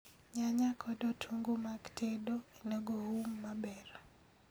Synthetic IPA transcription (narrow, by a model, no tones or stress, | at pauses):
ɲaɲakʰɔdɔtʰuŋɡomaktʰedoenɔɡohumːabɛɾa